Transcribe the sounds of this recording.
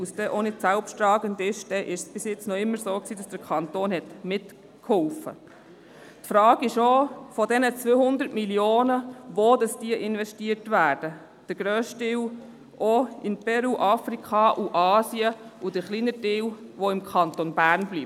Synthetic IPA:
usd̥ɛːʔonɪdsælpʃtɾɑːɡəndɪʃd̥ɛʔɪʃsb̥ɪsjɪt͡snɔɪmːəɾsoːksiːdɑsd̥əɾkʰχɑnt̪oːnhɛtmɪt | khɔlfə̰ | tfɾɑːɡ̥ɪʃofɔdɛnət͡sʋøːhʊnd̪əɾtmiljoːnəʋoːd̥ɑsd̥iəʔɪnʋɛʃtiəɾtʋæːɾd̥ə | d̥əɾɡ̥ɾøːʃtɪw | ʔoɪnpɛɾuːʔɑfɾikχɑʔuʔɑːsiəudəɾχliːnədɪːwʋoɪmkʰɑnt̪onbæːɾnbliː

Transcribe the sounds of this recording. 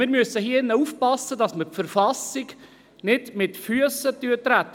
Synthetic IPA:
mɪɾmysəhiəɪnːəuːfpɑsːədɑsməɾpfəɾfɑsɪɡ | nɪdmɪtfyəsət̪yːt̪ɾæt̪ː

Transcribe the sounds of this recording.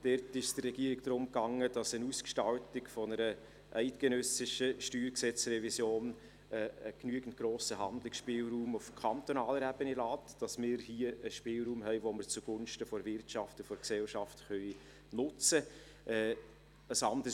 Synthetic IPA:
d̥ɛɾtɪʃd̥ərɛɡiːəɾɪɡ̚d̥ɾʊmkɑŋːəd̥ɑsənuːskʃtɑltɪkfɔnəɾə | ʔæɪtɡ̥enœsɪʃəʃtyːɾksɛt͡srɛvisjoːn | ɛəknyəɡ̥n̩t̚ɡ̥ɾoːsəɦɑndlɪksʃpɪːlɾuːmʊfkʰɑnt̪onɑːləɾæb̥ənelɑːtd̥ɑsmɪːɾhiːəəʃpɪːlɾuːmɦɛɪʋoməɾt͡suɡ̥ʊnʃtəfɔɾvɪrtʃɑftəfɔɾksɛlʃɑftχœʏ | nʊt͡sə | ʔɛː | əsɑndə

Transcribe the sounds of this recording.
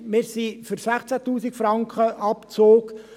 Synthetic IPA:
mɪːɾsiføɾsæχt͡sæt̪uːsikfɾɑŋkχəʔɑpt͡soːk

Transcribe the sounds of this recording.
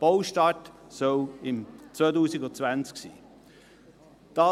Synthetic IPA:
b̥oʊʃtɑtsɔɪmt͡svoːtuːsɪɡʊt͡svænt͡sksḭː | d̥ɑ

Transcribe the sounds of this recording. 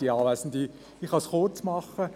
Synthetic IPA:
iɑːʋæsndi | iχɑsχot͡smɑχə

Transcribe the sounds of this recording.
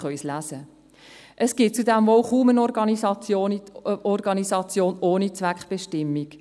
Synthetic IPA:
χœʏslæːzə | ʔəsɡ̥ɪt̚t͡sudɛmʋoʊχuːmənɔɾɡɑnɑoɔɾɡɑnizɑt͡sjoːnoːnit͡sʋækχb̥ɛʃtɪmːik

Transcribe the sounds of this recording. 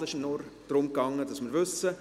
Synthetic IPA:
ɪʃnoɾd̥ɾʊmkɑŋːəd̥ɑsmɪːɾʋʏsə

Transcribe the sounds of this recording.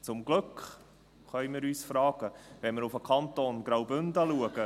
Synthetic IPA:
t͡sʊmɡlɵkχ | χœʏjmɪːɾyːsfɾɑːɡ̥əvɛnmɪɾufəkʰɑnt̪oːnɡɾawbʏndɑluəɡ̥ə

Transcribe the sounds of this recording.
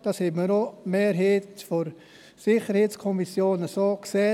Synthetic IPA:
d̥ɑːshɛbməɾomeːɾɦeːtfoɾ | sɪχəɾheːt͡skʰɔmisjoːnəsoːkseː

